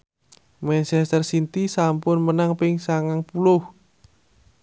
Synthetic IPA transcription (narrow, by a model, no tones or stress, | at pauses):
mɛnsɛst̪ərsint̪isampʊnmənaŋpɪŋsaŋaŋpulʊh